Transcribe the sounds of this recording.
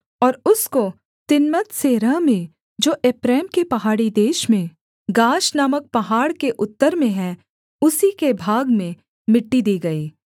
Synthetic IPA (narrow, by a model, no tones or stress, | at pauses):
ɔːɾʊsko | t̪ɪnmət̪seːɾəmẽ | d͡ʒoːʔeːpɾɛːmkepɐɦaːɽid̪eːʃmẽ | ɡaːʃnamək̚pɐɦaːɽkeʔʊt̪ːəɾmẽɦɛ̃ | ʊsikebʱaːɡmẽ | mɪʈːid̪iːɡɐiː